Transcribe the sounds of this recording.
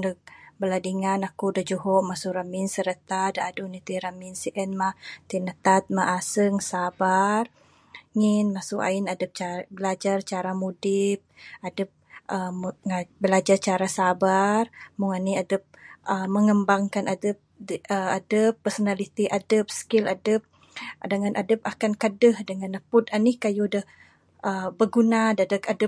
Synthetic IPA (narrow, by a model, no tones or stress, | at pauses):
dəbəladiŋanakudad͡ʒuɦɔʔmasuɾaminsəɾət̪adaːdunit̪iɾaminsiʔɛnmat̪inət̪at̪̚maʔasəŋsabar | ŋinmasuʔa̰inadəp̚t͡ʃabəlad͡ʒart͡ʃaɾamudip̚adəp̚ʔəŋabəlad͡ʒart͡ʃaɾasabarmʊŋaniadəp̚ʔəməŋəmbaŋkanʔadəp̚əadəpːərsonalit̪iʔadəp̚skɪladəp̚ | dəŋanʔadəp̚akankadəhdəŋanəpʊt̪anihkajudəh | ʔəbəɡunadadəkadəp̚